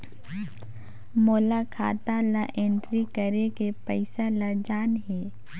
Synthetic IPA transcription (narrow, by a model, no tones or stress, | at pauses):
moːlakʰa̰ːt̪alaʔẽɳʈɾikəɾekepəɪsalad͡ʒaːnɦeː